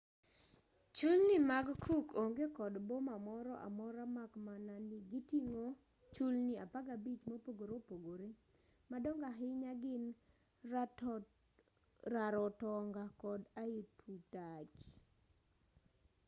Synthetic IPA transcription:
t͡ʃulnɪmaɡkʰukoŋɡekɔdbomamɔɾɔʔa̰mɔɾamakmananɪɡitiŋo | t͡ʃulniapaɡabit͡ʃmopoɡoɾopoɡoɾe | madɔŋɡaɦɪɲaɡɪn | ɾaɾɔtɔŋɡakɔdaitʰutat͡ʃ

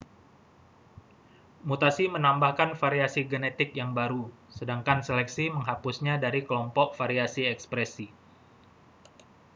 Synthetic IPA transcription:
mut̪asimənambahkanfaɾiasiɡənɛt̪ɪk̚jaŋbaɾu | sədaŋkanselɛk̚siməŋɦapusɲadaɾikəlɔmpɔk̚faɾiasiɛkspɾɛsi

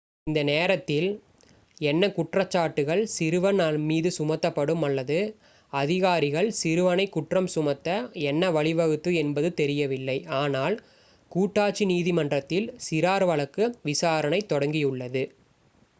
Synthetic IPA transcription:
ɪnd̪ɐneːɾɐt̪ːɪl | ɛnːɐkʊʈrɐt͡ʃːaːʈːɯɣɐɭsɪɾɯʋɐnaːnmiːðɯsʊmɐt̪ːɐpːɐɽɯmɐlːɐðɯ | ɐðɪɣaːɾɪɣɐɭsɪɾɯʋɐnɐɪkːʊʈrɐmsʊmɐt̪ːɐɛnːɐʋɐɭɪʋɐɣɯt̪ːɯɛnbɐðɯt̪ɛɾɪjɐʋɪlːɐɪaːnaːl | kuːʈːaːʈt͡ʃːiniːðɪmɐndrɐt̪ːɪlsɪɾaːɾʋɐɭɐkːɯʋɪsaːɾɐnɐɪt̪ːɔɽɐŋɡɪjɯɭːɐðɯ

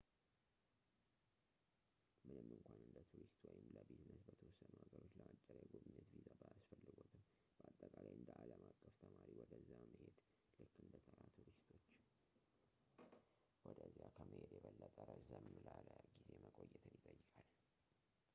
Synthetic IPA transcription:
mɨnɨmːɨŋkʷʰanɨnd̪ət̪ʰuɾist̪wɔjɪmləbet̪ɨnːət̪bət̪ʰəwɔsːənuhaɡəɾot͡ʃːləʔat͡ʃʼːəɾaɡominːət̪vizabəjasfəlːɨɡo̞t̪ʰɨm | bəat̪ʼːəkʼalajɨnd̪əʔaləmakʼːəft̪ʰəmaɾiwɔd̪əzːjaməhed̪ | lɨkːɨnd̪ət̪ʰəɾat̪ʰuɾist̪ʰo̞t͡ʃː | wɔd̪əzijakʰəməhed̪jɛβəlːət̪ʼəɾəzəmːlaləɡize̞məkʼojːɛt̪ʰɨnːit̪ʼəjːɨkʼal

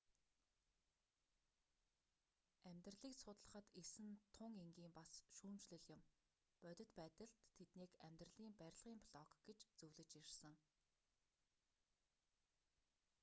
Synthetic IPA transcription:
æmʲt̪rɮiːksʊt̪ɮə̆χə̆t̪esɘ̆nt̪ʰʊŋeŋɡiːmpasʃuːmt͡ɕɮɘ̆ɮjɪ̆m | pœt̪ʲɪ̆t̪pæːt̪ə̆ɮt̪ʰːet̪niːkæmʲt̪rə̆ɮiːmpæɾʲɪ̆ɮʁiːmpʰɮɔkɡ̥et͡ɕt͡sɵwɮɘ̆t͡ɕir̥sə̆ŋ

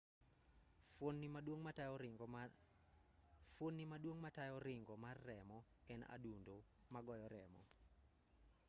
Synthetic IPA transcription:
onːimadwoŋmaaɔ | fonːimadwoŋmatajɔɾɪŋɡɔmarːɛmɔɛna̰dundomaɡɔjɔɾɛmɔ̰

